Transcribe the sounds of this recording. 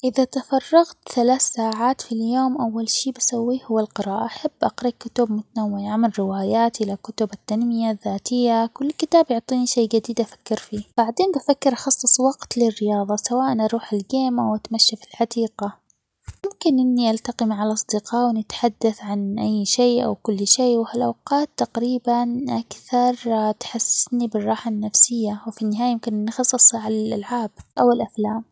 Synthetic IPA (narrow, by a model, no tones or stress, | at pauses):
ʔɪðat̪afɑrˤːɑɣt̪θalaːθsaːʕaːt̪filjoːmʔawːalʃiːbasawːiːhʊwːalqɨɾɑːʔaʔaħabːʔaqɾˤɑkːʊt̪ʊb̚mʊt̪anawːɪjaʔamɪlɾɪwaːjaːt̪ʔɪlakʊt̪ʊbat̪ːanmɪjaðːaːt̪ɪjːakʊlːkɪt̪aːbjʊʕt̪ˤiːniʃeːd͡ʒad̪iːd̪ʔafḁkːɪɾfiːb̥aʕd̪eːnbafakːɪɾʔɑxɑsˤːɨsˤwɑɡt̪lɪrːɪjɑːðˤɑsawaːʔanʔɑɾˤuːħɪlɡeːmʔawʔat̪maʃːafi̥lħad̪iːqa | mʊmkɪnʔɪnːiʔalt̪aqimʕalʔɑsˤd̪ɪqɑːwɪnɪt̪ħad̪ːaθʕanʔajːʃeːʔa̰wkʊlːʃeːwhalʔawqɑːt̪ːaqɾiːbanʔakθɑɾˤt̪ħasːɪ̥snibɪrˤːɑːħanːafsɪjːawfinːɪɦaːjajɪmkɪnʔɪnːxɑsˤːɨsˤʕalalʔalʕaːb̚ʔawɪlʔaflaːm